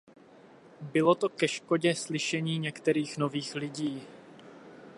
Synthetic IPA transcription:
bɪlo̞t̪o̞kɛʃko̞ɟɛslɪʃɛɲiːɲɛkt̪ɛɾiːxno̞viːxlɪɟiː

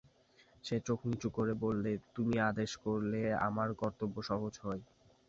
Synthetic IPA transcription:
ʃet͡ɕokʰnit͡ɕukoɾebolːet̪umiad̪eʃkoɾlea̰maɾkɔɾt̪obːoʃɔɦod͡ʑɦɔe

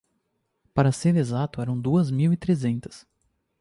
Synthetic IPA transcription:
paɾɐseɾezat̪ʊɛɾɐ̃w̃d̪uɐzmiwit̪ɾezẽnt̪ɐ̥s

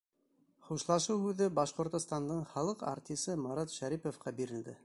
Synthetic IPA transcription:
χuʃlˠɑʃɤwhʉðɘbɑʃqŏɾt̪ŏst̪ɑnd̪ɤɴχɑlˠɤqa̰ɾt̪ʲisɤmɑɾɑt̪ʃæɾipofqʰɑbiɾɘ̆ld̪ɘ

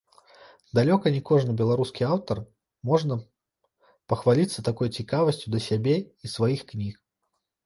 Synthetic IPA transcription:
d̪alʲɔkɐnʲikɔʐnɨbʲɛlˠaɾuskʲiawt̪ɐr | mɔʐnɐ | pɐxvalʲit̪sːɐt̪akɔjt͡sʲikavɐsʲt͡sʲud̪ɐsʲabʲeisvajixknʲix

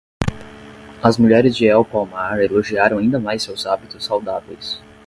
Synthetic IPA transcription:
ɐzmuʎɛɾɪzd͡ʒɪɛwpawmaɾeloʒiaɾɐ̃w̃aĩnd̪ɐmajsewzabit̪ʊsːawd̪avejs

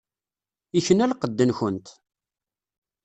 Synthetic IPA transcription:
içənælqəd̪ːənçənt̪

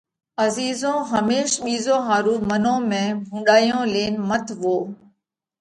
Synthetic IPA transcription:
əziːzõːɦəmeːʃɓiːzõːɦaːɾuːmənõːmẽːɦʊ̃ːɳɖaːjõːleːnmət̪ʰʋoː

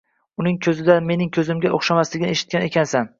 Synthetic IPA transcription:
ʊnɪŋkʲʰɵzɪd̪ame̞nɪŋkʲʰɵzɪmɡʲaʔoχʃamaslɪɡʲɪneʃɪ̥t̪̚kʲane̞kʲʰansan

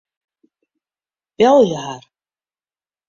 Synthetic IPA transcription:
pjawðjɛhaɾ̥

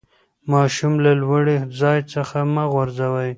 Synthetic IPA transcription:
mɑʃumlalwaɽed͡zɑjt͡səxamaɣwaɾzawaj

